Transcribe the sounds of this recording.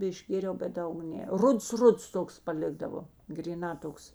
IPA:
ɪʒʲˈɡʲeːrʲɛʊ bʲɛt ˈdɐʊk ˈnʲɛ ˈrʊts ˈrʊts ˈtoːks pɐˈlʲɪɡdɐʋoː ɡrʲiːˈnɑː ˈtoːks

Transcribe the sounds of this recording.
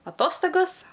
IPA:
ɐˈtoːstɐɡoːs

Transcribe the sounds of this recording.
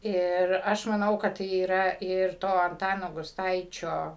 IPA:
ˈɪr ˈɐʃ mɐˈnɐʊ kɐt iːˈrɐ ɪr ˈtoː ɐnˈtɑːnoː ɡʊsˈtɐɪt͡ʃʲoː

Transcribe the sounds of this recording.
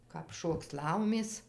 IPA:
kɐp ˈʃoːks ˈlˠɐʊmʲeːs

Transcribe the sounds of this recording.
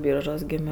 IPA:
ˈbʲiːrʒuɔs ˈɡʲeːmʲoː

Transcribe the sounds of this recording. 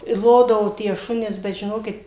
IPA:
ɪ ˈlˠoːdɐʋoː tʲiɛ ˈʃʊnʲɛs bʲɛt ʒʲɪˈnoːkʲɪt

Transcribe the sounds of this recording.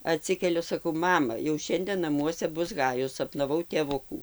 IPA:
ɐˈtʲsʲɪkʲɛlʲʊ sɐˈkɐʊ ˈmɑːmɐ jɛʊ ˈʃʲɛnʲdʲeː nɐˈmuɔsʲɛ ˈbʊs ˈɣɑːjʊs sɐpnɐˈʋɐʊ tʲeːˈʋʊkuː

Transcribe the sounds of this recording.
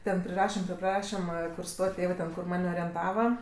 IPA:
tʲɛn pʲrʲɪˈrɑːʃʲɛm tʲɛp ˈprɑːʃʲɪmɜ kʊr ˈstoːtʲ ˈtʲeːʋɜ tʲɛn kʊr ˈmɐnʲ oːrʲiɛnˈtɑːʋɐ

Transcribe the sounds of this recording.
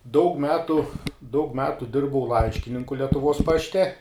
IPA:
dɐʊk ˈmʲæːtʊ dɐʊk ˈmʲæːtʊ ˈdʲɪrbɐʊ ˈlˠɐɪʃʲkʲɪnʲɪŋkʊ lʲɛtʊˈʋoːs ˈpɑːʃʲˈtʲɛ

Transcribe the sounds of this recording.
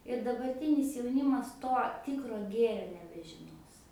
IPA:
ɪr dɐbɐrʲˈtʲɪnʲɪs jɛʊˈnʲɪmɐs ˈtoː ˈtʲɪkroː ˈɡʲeːrʲoː nʲɛbʲɛʒʲɪˈnoːs

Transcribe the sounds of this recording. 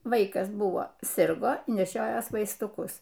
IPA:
ˈʋɐɪkɐs ˈbʊʋoː ˈsʲɪrɡoː nʲɛˈʃʲoːjoːs ʋɐɪstʊˈkʊs

